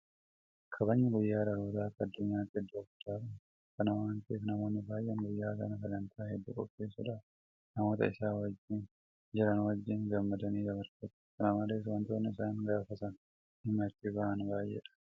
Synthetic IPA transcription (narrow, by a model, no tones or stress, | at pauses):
kʰɐbɐɲːɪɡʊjːaːɾɐɾoːd̪aːk̪ːɐɐd̪ːʊɲːaːt̪ːɪɛd̪ːʊfʊ̥t̪aːtɐ | kɐnɐwaːnt̪eːfnɐmo̞ːnːɪbaːjʔɛŋɡʊjːaːkɐ̰nɐkɐlɐnt̪ʰaːɦɛd̪ːʊkʼɔ̰fːeːsʊᶑaː | nɐmo̞ːt̪ɐ̰ɪsaːwɐd͡ʒːɪn | d͡ʒɛɾɐnwɐd͡ʒːɪnɡɐmːɐd̪ɐniːd͡ʒɐbɐɾt̪ɐt̪ | kɐnɐmɐleːs̬wɐnt̪oːnːɪɪsaːŋɡaːfɐt̪ɐn | hɪmɐt̪ːɪbɐʔɐnbaːjːɛ̰ᶑɐ̥